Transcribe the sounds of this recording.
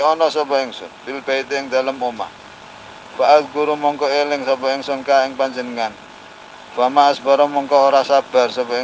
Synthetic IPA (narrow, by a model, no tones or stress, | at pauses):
ɔnɔsɔpɔɪŋsʊ̰npilb̥ait̪eɪŋd̪̥a̤ləmoma̰ | faʔat̪̚ɡuɾumɔŋkɔelɪŋsɔpɔɪŋsɔnkaɪŋpaɲd͡ʒənəŋan | famaasbaɾɔmɔŋkɔoɾasab̥a̤rsɔpɔ